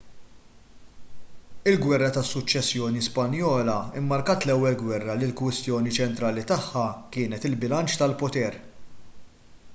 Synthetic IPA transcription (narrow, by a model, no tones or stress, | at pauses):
ɪlɡwɛrːɐt̪ɐsːʊt͡ʃːɛsːjɔːnispɐnjɔːlɐɪmːɐɾkɐt̪lɛwːɛlɡwɛrːɐlɪlkwɪst̪jɔːnit͡ʃɛnt̪ɾɐːlit̪ɐħːɐkɪːnɛt̪ɪlbɪlɐnt͡ʃt̪ɐlpɔt̪ɛːɾ